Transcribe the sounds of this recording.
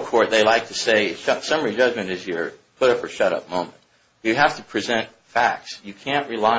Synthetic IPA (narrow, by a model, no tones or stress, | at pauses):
kʰɔɹt̪̚ðeɪlaɪk̚tʰɨseɪʃʌ̃sʌ̃mə˞id͡ʒʌd͡ʒmɨ̃ntɨzjə˞pʰʊɾʌpə˞ʃʌɾʌ̰p̚mõʊ̃mɨ̃nt | jɨɦæftɨpʰɹ̥izɛ̃nt | fæk̚tsjɨkʰæ̃nʔɹɨlaɪ